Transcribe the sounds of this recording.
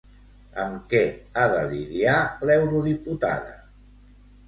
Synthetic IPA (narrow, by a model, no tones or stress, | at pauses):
əmkɛaðəliðjalɛwɾuðiput̪a̰ðə̰